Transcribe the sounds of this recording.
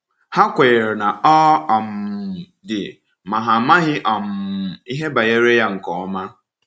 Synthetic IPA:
ha˦kʷe˨ɾe˨na˨ɔ˦ɔ˨m̩˨dɪ̰˨ | ma˨ɦa˨ma˦ɦɪ˦ʔɔ˨m̩˨i˦ɦe˦ba˨je˦ɾe˦ja˦ŋ̩˨kɔ˨ɔ˦ma˦

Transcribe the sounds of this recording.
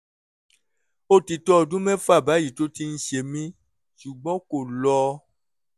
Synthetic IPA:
o˦˨ti˨tɔ˦ɔ˧˨dũ˦mɛ̃˦fu˦a˦˨ba˨˦ji˦˨to˦ti˧n̩˦ʃe˧˨mĩ˦ | ʃu˨ɡ͡bɔ̃˦ko˨lɔ˧˦

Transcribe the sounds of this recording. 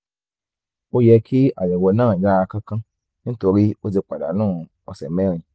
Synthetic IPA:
o˦jɛ˧kʰi˦a̰˨jɛ˨wo˨˧nãː˦˨ja˦˧kã˦kã˦ | nĩ˦to˧ɾi˦o˦d͡ze˧k͡pa˨da̰˨nãː˦˨ | ɔ̰˨sɛ˨mɛ̃˦ɾĩ˨

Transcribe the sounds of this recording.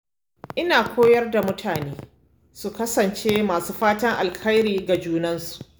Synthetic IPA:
ʔɪ˦naː˨kʷoː˦jɐ˦rda˨mʊ˦tʰaː˨neː˦ | su˨kɐ˦sɐ˨nt͡ʃeː˦maː˨suː˦ɸaː˦tɐ˦ŋʔa˨lkʰɐ˦jɾiː˨ɡa˨d͡ʒuː˦nɐ˦nsu̥˨ʔ

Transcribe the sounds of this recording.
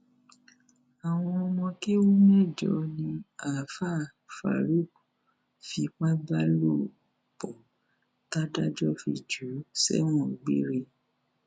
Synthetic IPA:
a˨w̃ɔ̃˧ɔ˧mɔ̃˧ke˦wu˦m̃˦ɛ˦˨d͡ʒɔ˨nĩ˧a˨fa˦˨ | fa̰˨ɾi˦˨ku˨ | fi˧k͡pa˦ba˦lo˦˨ | bɔ˨ | ta˦da˦d͡ʒɔ˦fḭ˧˨d͡ʒu˨˦sɛ̰˦w̃ɔ̃˦˨ɡ͡bḭ˦ɾe˧

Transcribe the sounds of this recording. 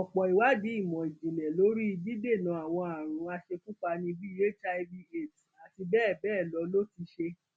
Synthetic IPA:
ɔ˨k͡pɔ˨i˨wa˨˦di˨˦i˦˨mɔ̃˨i˨d͡ʒĩ˨lɛ˨lo˨˦ɾi˦i˧di˦de˦˨nã˨˦a˦˨w̃ɔ̃˧a˨ɾ̃ũ˨˦a˧ʃe˧ku˦k͡pa˧nĩ˧bi˦je˦t͡ʃa˧i˧bi˧e˨tu˨a˨ti˧bɛː˦˨bɛː˦˨lɔ˨˦lo˦ti˧ʃe˧

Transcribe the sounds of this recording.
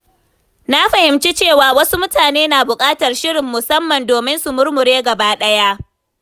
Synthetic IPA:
na˦ɸɐ˨hɪ˨mt͡ʃi˦t͡ʃeː˦˨waː˨wɐ˦su˦mʊ˦taː˨neː˦naː˨bʊ˨kʼaː˦tɐ˨rʃɪ˦ɽɪ˨mːʊ˨sɐ˦mːɐ˨ndoː˨mɪ˦nsu˨mʊ˦ɾmʊ˨ɾeː˦ɡɐ˨baː˦ɗɐ˦ja˦ʔ

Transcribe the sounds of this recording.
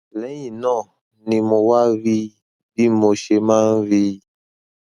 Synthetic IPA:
lɛ˨˦jĩ˨nɔ̃˦˨ | nĩ˨mo˨wa˦vi˦˨ | bi˦mo˨ʃe˦mã˦n˦vi˦˨

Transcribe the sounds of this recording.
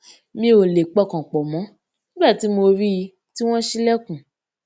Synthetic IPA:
mĩ˦o˨le˨k͡pɔ˦˨kã˨k͡pɔ˨mɔ̃˨˦ | nĩ˦ɡ͡ba˦˨ti˨˦mo˧ɾi˦i˧ | ti˦w̃ɔ̃˦ʃi˦lɛ˦kũ˨

